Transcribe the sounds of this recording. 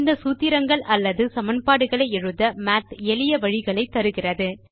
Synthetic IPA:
nd̪ɐsuːt̪ːɪɾɐŋɡɐɭʔɐlːɐðɯsɐmɐnpaːɽɯɣɐɭɐɪɛɻɯðɐmaːt̪ɛlɪjɐʋɐɻɪɣɐɭɐɪt̪ːɐɾɯɣɪrɐðɯ

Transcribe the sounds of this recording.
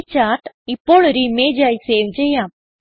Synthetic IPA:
t͡ʃaʈ | ipoɭɾimed͡ʒajseːʋd͡ʒeja

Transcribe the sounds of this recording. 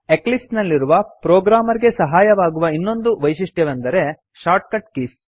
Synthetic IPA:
eklisnɐlːiɾuʋɐpɾoːɡɾaːmɐɾiɡe̞sɐɦaːjɐʋaːɡuʋɐinːo̞nd̪uʋɐjʃiʂʈjɐʋɐnd̪ɐɾe̞ | ʃaːɾʈ̚kɐʈkiːs

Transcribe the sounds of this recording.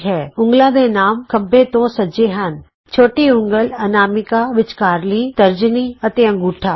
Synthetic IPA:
ɦɛːʊ̃ŋɡlãːd̪eːnaːmkəbːeːt̪õːsəd͡ʒeːɦən | t͡ʃʰoːʈiʊ̃ŋɡələnaːmɪkaːʋɪt͡ʃkaːɾliːt̪əɾd͡ʒniːət̪eːə̃ŋɡuːʈʰaː

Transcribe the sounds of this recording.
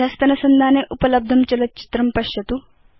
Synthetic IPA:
dʱɐst̪ɐnɐsɐnd̪ʱaːneʔupɐlɐb̚d̪ʱɐmt͡ʃɐlɐt͡ʃi̥t̪ɾɐmpɐʃjɐt̪u

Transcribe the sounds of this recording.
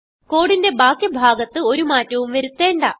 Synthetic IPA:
ko̞ːɽinde̞baːkjɐbʱaːɡɐt̪ːɨo̞ɾumaːtːɐʋumʋeɾut̪ːe̞ːɳɖaː

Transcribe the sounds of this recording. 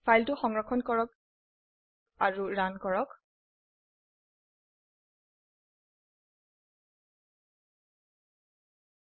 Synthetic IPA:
fʰajltʊxɔŋɹɔkʰːɔnkɔɹɔk | aɹuɹankɔɹɔk

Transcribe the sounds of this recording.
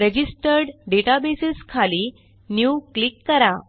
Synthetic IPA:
ɾəd͡ʑisʈəɾɖɖeʈabesiskʰaliː | njuklikːəɾa

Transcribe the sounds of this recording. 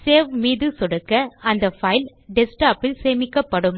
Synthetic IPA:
seːʋmiːðɯsɔɽɐkːɐɐnd̪ɐfɐɪl | ɖɪsʈaːpɪlseːmɪkːɐpːɐɽɯm

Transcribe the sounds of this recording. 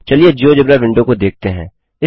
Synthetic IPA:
t͡ʃɐlied͡ʒoːd͡ʒɐbɾaʋɪ̃ɳɖõkod̪eːk̚t̪eɦɛ̰̃ː | ɪ

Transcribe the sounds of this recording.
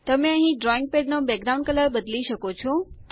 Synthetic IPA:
t̪ɐmẽɐ̃ɦĩɖɾɔːɪ̃ŋɡ̚peːɖnobɛːk̚ɡɾaʊ̃ɳɖkələɾɓɐd̪liʃəkot͡ɕʰot̪

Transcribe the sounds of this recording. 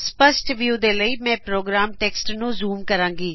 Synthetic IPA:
spəsʈʋjuːd̪eːləiːmɛ̃ːpɾoːɡɾaːmʈeːksʈnũːzuːmkəɾãːŋɡiː

